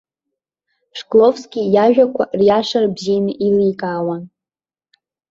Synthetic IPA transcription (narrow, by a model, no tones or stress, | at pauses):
ʂkʼlovskʲijaʒᶣakʷʰarjaʂarbzijnɨʔilikʼaːwan